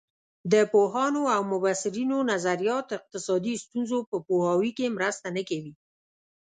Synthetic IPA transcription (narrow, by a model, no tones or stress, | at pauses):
d̪əpoɦɑnoawmʊbasɪɾinonazaɾjɑt̪ɪq̚t̪ɪsɑd̪ist̪unzopəpohɑwikemɾəst̪anəkawi